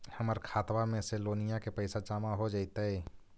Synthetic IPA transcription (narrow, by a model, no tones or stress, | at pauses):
həməɾkʰaːt̪wamẽseloːnijakepɛɪsat͡ʃaːmaɦod͡ʒaːit̪aɦɛː